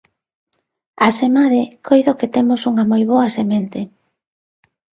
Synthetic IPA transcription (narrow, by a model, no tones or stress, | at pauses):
asemaðɪkʰojðoket̪emʊsuŋɐmojβ̞oɐsement̪e